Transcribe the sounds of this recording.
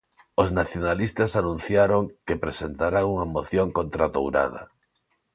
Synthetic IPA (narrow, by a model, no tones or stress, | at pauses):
oznaθjonalist̪asanũn̟θjaɾoŋkepɾesent̪aɾauŋamoθjoŋkõnt̪ɾat̪o̰wɾa̰ð̞ɐ̰